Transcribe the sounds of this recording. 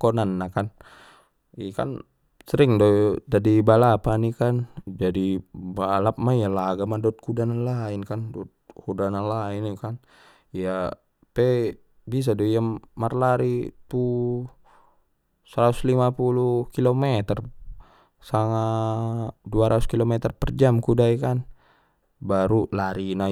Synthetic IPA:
konanːakan | ika̰n | səɾiŋdodadibalapanikand͡ʒadibalap̚maijalaɡamadɔt̪̚kudananlainkandɔt̪̚kudananlainikan | ija | pɛ | bis̬adojamːarlaɾit̪u | səɾat̪uslimapulukilomet̪ər | saŋa | duaɾʔat̪uskilomɛt̪ərpərd͡ʒamkudaikan | baɾulaɾina

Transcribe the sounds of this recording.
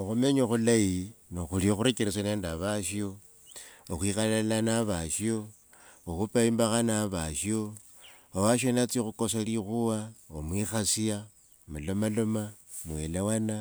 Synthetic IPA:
oxumeɲoxulajinoxulioxuɾekeɾes̬aneːndaβaʃjo | oxwixaalanaβaʃio | oxupaimbaxanaβaʃio | owaʃ̬onat͡sixuko̞s̬alixuwaomwixasia | mulomalomamwelewana

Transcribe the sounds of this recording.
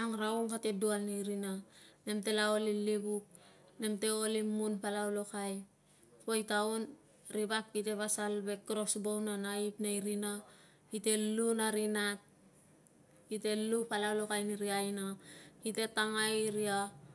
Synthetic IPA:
aŋɾauŋkate̞dualnaiɾinane̞mte̞lao̞lilibuk̚ | ne̞mte̞o̞limunpalawlokaj | pojtaun | ɾibap̚kite̞βasalbe̞kːɾo̞sbownanaipnaiɾina | hite̞lunaɾinat̚ | kite̞lupalawlokajniɾiajnahite̞taŋaiɾia

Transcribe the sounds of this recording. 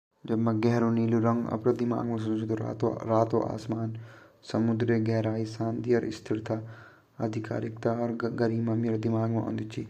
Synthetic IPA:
d͡ʒɐbmãɡɛɦɾoniːluɾɐ̃ŋɡɐ̰pɾad̪ɪma̰ːɡmãs̬ud͡ʒut̪oɾaːt̪o̰ʔa̰ːsmaːnsɐmʊd̪ɾeɡɛɦɾaːisãːnd̪iɔɾʔɪ̰st̪ʰɪɾt̪ʰa | ɐd̪ʱika̰ːɾɪkt̪aɔɾɡɐɾiːmãːmeːɾd̪ɪmaːɡmã̰õ̰ːnd̪it͡ʃʰiː

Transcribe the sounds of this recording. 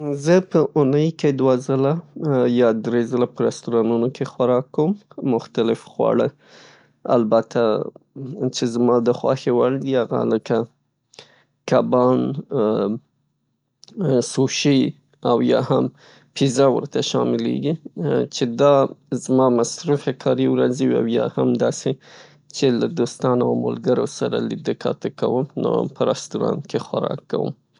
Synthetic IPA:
zəpəʔunəjked̪wazəlajɑd̪ɾezəlapəɾast̪uɾɑnunokʰexwaɾɑkːəwmːʊxt̪alɪfxwɑ̰ɽə | a̰lbat̪ʰa | t͡ʃezmɑd̪əxwɑ̰xewaɽd̪iaɣa̰ləka | kabɑn | suʃi | awjɑham | pizawə̰ɾt̪aʃɑmɪlḛɡit͡ʃed̪ɑzmɑmasɾufekʰɑɾiwɾazewia̰wjɑhamd̪ɑse | t͡ʃelad̪ost̪ɑnaawmo̰lɡəɾo̰saɾa̰lɪd̪əkɑt̪əkawəmno̰pəɾast̪uɾɑ̰nkexwaɾɑ̰kːa̰wə̰m

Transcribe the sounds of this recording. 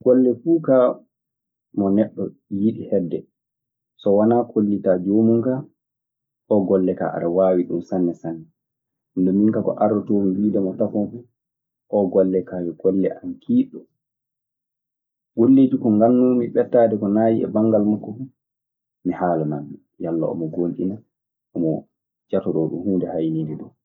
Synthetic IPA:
ɡ̥ɔlːɛfuːka | mɔnɛɗːɔ | jiɗihɛdːɛ | sɔwanaːkʰolːitad͡ʒomuŋka | ʔɔɡɔlːɛka̰ʔa̰ɗawaːwiɗṵmsanːɛsanːɛ | ndɔmiŋkakɔ̰ʔaɾɔtoːmiwiːdɛmɔtafɔnfu | ʔɔɡɔlːɛkajɛɡ̥ɔlːɛʔankʰiːɗːɔ | ɡolːeːd͡ʒikɔŋɡanːumiɓɛtːaːdɛkɔnaːjiɛ̰baŋɡalmakːɔfu | mihaːlanandu | jalːa̰ɔ̰mɔɡonɗḭna | ʔɔmɔ | d͡ʒatɔɗɔɗṵmhuːndɛhajniːdɛɗɔ

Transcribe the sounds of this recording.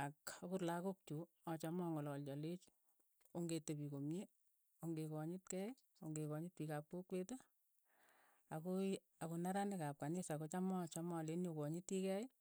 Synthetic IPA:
akokurlakok̚t͡ʃu | ɔt͡ʃamɔŋɔlɔlt͡ʃɔlet͡ʃ | oŋɡetepikomje | oŋɡekɔɲɪtkɛj | oŋɡekɔɲɪt̚pikap̚kokweto | ako | akonaɾandekap̚kanisakot͡ʃamɔt͡ʃamɔlenjokɔɲɪtikɛj

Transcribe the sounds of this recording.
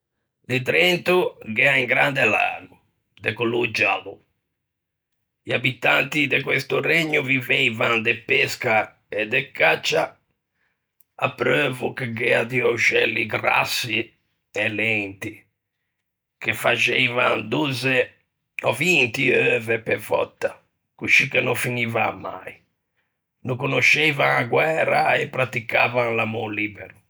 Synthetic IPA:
d̪ɛt̪ɾɛnt̪uɡɛaiŋɡɾand̪ɛla̰ːnu | d̪ɛkulud͡ʒalu | iabit̪ant̪id̪ɛkwest̪urɛɲːuvivɛivand̪ɛpːɛska | ɛd̪ɛkːat͡ʃːa | apːɾøːvukɛɡɛat̪iɔʃɛlːiɡɾa̰sːi | ɛlɛnt̪i | kefat͡ʃɛvand̪uzɛ | ɔvint̪iøːvɛpɛvɔ̰t̪ːa | kuʃikenɔfiniva̰mːa̰j | nukonoʃɛjvaŋaɡwɛːɾa̰ɛpːɾat̪ika̰vaŋlamoliːbɛ̰ɾu

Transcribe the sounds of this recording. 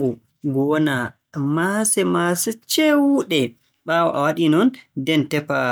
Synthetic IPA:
ɡu | ɡɔna | masɛmasɛt͡ʃɛwuɗɛ | ɓawɔʔawaɗinɔndɛntɛpa

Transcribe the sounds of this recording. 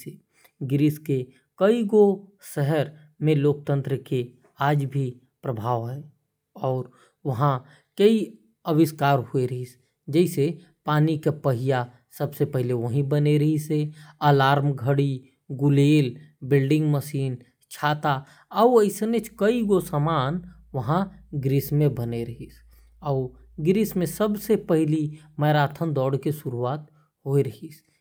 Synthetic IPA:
e | ɡɪɾɪske | kəiɡo | səɦəɾ | mẽloːk̚t̪ə̃nt̪ɾəke | aːd͡ʒbʱi | pɾəbʱaːʋɦɛː | ɔːɾ | ʋɐɦã | kəi | əwɪskaːɾɦueɾəɦis | d͡ʒɛɪse | paːnikepəɦɪja | səbsepɛɦleʋəɦĩbəneɾɐɦiseəlaːɾmɡʱəɽi | ɡʊleːlbɪlɖɪ̃ŋɡməsiːn | t͡ʃʰaːt̪a | əwəɪsnet͡ʃʰkəiɡosəmaːn | ʋɐɦãɡɾismẽbəneɾɐɦis | ɔː | ɡɾismẽsəbsepəɦɪliməːɾaːt̪ʰənd̪ɔːɽkeʃʊɾuaːt̪ | ɦoeɾɐɦis

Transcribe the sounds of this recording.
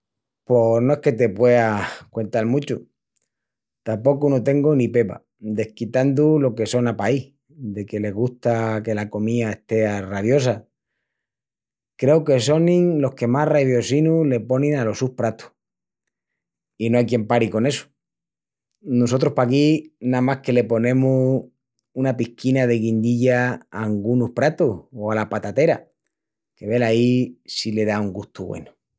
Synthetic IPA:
po̞no̞e̞hke̞t̪e̞pwe̞akwe̞nt̪almut͡ʃṵ | t̪ampo̞kunot̪e̞ŋɡonipe̞βa̰ | d̪e̞hkit̪and̪ulo̞ke̞so̞napai | d̪e̞ke̞le̞ɣ̞uht̪ake̞lako̞miaeht̪e̞araβjo̞s̬a | kɾe̞oke̞s̬o̞nĩŋlo̞hke̞maraβjo̞sinule̞po̞nĩnalo̞suhpɾat̪u̥ | inoajkjempaɾiko̞ne̞su̥ | noso̞t̪ɾohpakinamahke̞le̞po̞nẽ̞mu | unapihkinaðe̞ɣind̪iʎaaŋɡunuhpɾat̪uhoalapat̪at̪e̞ɾa | ke̞βe̞laisile̞ðauŋɡuht̪uβwḛnu̥

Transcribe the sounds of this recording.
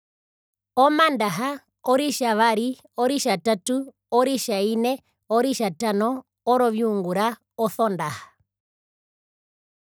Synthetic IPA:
ɔmandaɦa | ɔɾiʃaʋaɾi | ɔɾiʃatatu | ɔɾiʃainɛ | ɔɾiʃatanɔ | ɔɾɔβiuŋɡuɾa | ɔθɔndahḁ

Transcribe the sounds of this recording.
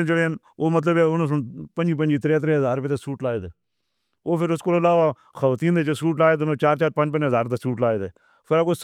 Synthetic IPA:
nt͡ʃəɽeːn | oːmət̪ləbeːʊnõs̬ʊnpənd͡ʒiːpənd͡ʒiːt̪ɾeːt̪ɾeɦəzaːɾpet̪̬esuːʈlaːed̪eː | oːpʰɪɾʊskoːɾəlaːʋaː | xʰəʋat̪iːnd̪eːt͡ʃosuːʈ̬laːeːd̪noːt͡ʃaːɾt͡ʃaːɾpə̃nd͡ʒpənd͡ʒɦəzaːɾt̪esuːʈlaːeːd̪eː | pʰɪɾakoːs

